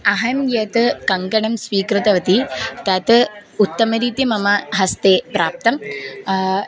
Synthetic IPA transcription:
ɐɦɐjmjɐːt̪ɨkɐŋkɐɳɐmsʋiːkɾɨt̪ɐʋɐt̪it̪ɐt̪ut̪ːɐmɐɾiːt̪imɐmɐɦɐst̪eːpɾaːp̚t̪ɐm

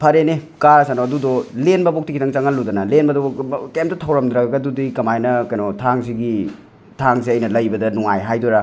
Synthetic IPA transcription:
pʰɐɾenekaɾɐsanoɐdudɔlenbɐbok̚tikʰitʰɐŋt͡ʃɐŋɐlːudɐnɐlenbɐdɔkemtɐtʰɐwɾɐmdɾaɡɡɐdudikɐmajnɐkɐjnotʰaŋziɡi | tʰaŋz̬iɐjnɐlɐjbɐdɐnuŋajɦajduɾa

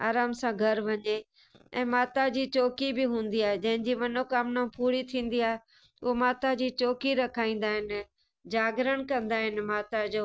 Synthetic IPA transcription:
a̰ːɾaːmsãɡʱɐɾʋɐɲe | ɛ̃ːmaːt̪ad͡ʑiːt͡ɕoːkibɪɦũːn̆d̪iaːɦed͡ʑɐ̃ɦɪ̃ɲd͡ʑimɐnokaːmnãpuːɾit̪ʰĩːn̆d̪iaːɦe | ʊɦomaːt̪ad͡ʑiːt͡ɕoːkiɾɐkʰaːĩːnd̪aːɦɪnɪ | d͡ʑaːɡɪɾəɽ̃̆kɐ̃nd̪aːɦɪnɪ̆maːt̪ad͡ʑoː

